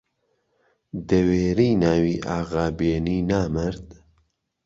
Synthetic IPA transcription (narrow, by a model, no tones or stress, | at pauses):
d̪ɐweːɾiːnaːwiːʔaːɣaːbeːniːnaːməɾd̪